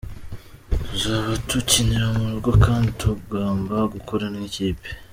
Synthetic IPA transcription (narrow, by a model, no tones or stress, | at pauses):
uzaβatuciniɾamuɾuɾɡwakaːntʰubɡaːmbaɡukʰoɾaneciːpe̥